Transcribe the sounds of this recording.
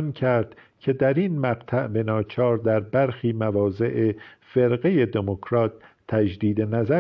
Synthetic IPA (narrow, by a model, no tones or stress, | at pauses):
ncʰæɾd̪̥ | cʲʰe̞d̪æɾiːnmæɢt̪ʰæʔbe̞nɒːt͡ʃʰɒːɾd̪æɾbæɾxiːmævɒːze̞ʔefe̞ɾɢe̞je̞d̪emokʰɾɒːt̪ʰː | æd͡ʒd̪iːd̪e̞næzæ